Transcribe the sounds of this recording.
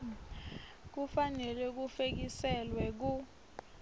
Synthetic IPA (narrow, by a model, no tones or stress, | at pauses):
k̬ufanɛlwɛk̬ufek̬isɛlwɛk̬u